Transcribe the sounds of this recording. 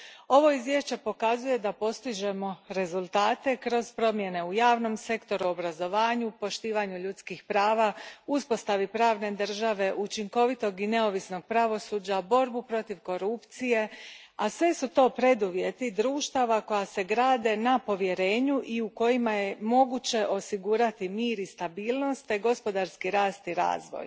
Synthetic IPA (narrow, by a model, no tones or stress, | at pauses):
o̞ʋo̞izʋje̞ʃt͡ɕe̞po̞kazuje̞d̪apo̞st̪iʒe̞mo̞ɾe̞zulˠt̪aːt̪e̞kɾo̞zpɾo̞mje̞ne̞ujaːʋno̞mse̞kt̪o̞ɾuo̞bɾazo̞ʋaːɲupo̞ʃt̪iːʋaɲuʎut̪skixpɾaːʋauspo̞st̪aʋipɾaːʋne̞d̪r̩ʒaʋe̞ʔut͡ʃiŋko̞ʋit̪o̞ɡine̞o̞ʋisno̞ɡ̚pɾaʋo̞suːd͡ʑabo̞ɾbupɾo̞t̪iʋko̞ɾupt̪sije̞ | asʋe̞sut̪o̞ːpɾe̞d̪uʋje̞t̪id̪ɾuːʃt̪aʋako̞jase̞ɡɾaːd̪e̞napo̞ʋje̞ɾe̞ːɲuʔiuko̞jimaje̞mo̞ɡut͡ɕe̞ʔo̞siɡuːɾat̪imiːɾist̪abiːlˠno̞st̪ːe̞ɡo̞spo̞d̪aɾskiɾaːst̪iɾa̰ːzʋo̰j